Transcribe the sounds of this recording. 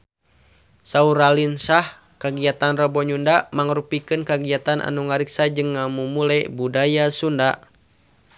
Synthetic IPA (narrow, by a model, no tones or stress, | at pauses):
sauɾalinsah | kaɡiat̪anrɔbɔɲundamaŋəɾupikɨnkaɡiat̪anʔa̰nuŋaɾiksad͡ʒɨŋːamumulɛbudajasunda